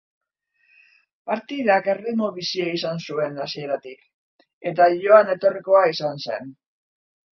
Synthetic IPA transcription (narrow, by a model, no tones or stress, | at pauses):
paɾt̪iðake̞rimoβisiaisansue̞nasie̞ɾat̪ik | e̞t̪aʝo̞ane̞t̪o̞riko̞aisanse̞̰n